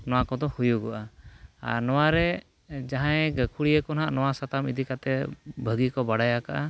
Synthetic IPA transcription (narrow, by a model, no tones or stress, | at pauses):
nɔwakɔd̪ɔhujuɡɔʔaa̰ɾnɔwaɾɛ | d͡ʒaɦãjɡəkʰuɽijəkɔnɦaʔnɔwasat̪amid̪ikat̪ɛbʱəɡikɔbaɽajakaʔa